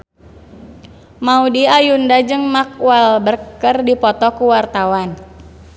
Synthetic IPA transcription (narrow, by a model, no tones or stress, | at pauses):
maudiajundad͡ʒɨŋmak̚walbərkkərdipɔt̪ɔkuwart̪awan